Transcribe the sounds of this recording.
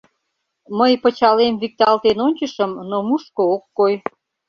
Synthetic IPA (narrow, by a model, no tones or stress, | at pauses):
məjpət͡ɕɑlemvik̚t̪ɑlt̪enonʲt͡ɕəʃəmnomuʃkookːoj